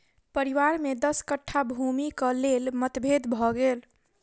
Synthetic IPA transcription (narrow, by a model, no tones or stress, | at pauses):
pəɾiʋaɾmed̪əskəʈʰːabʱumikəlelmət̪bʱed̪bʱɔɡel